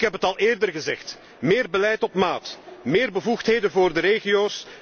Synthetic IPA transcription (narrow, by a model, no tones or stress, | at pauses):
kɦɛpɦətɑlˠɪːrdərɣəzɛxt | mɪːrbəlɛjtɔpmaːtmɪːrbəvuxtɦeːdənvʊːrdəɾeːɣijoːs